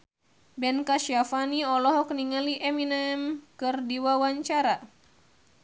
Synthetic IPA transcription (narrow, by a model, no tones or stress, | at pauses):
bɛnkaʃiafaniɔlɔɦɔkniŋaliʔɛminamkɨrdiwawaɲt͡ʃaɾa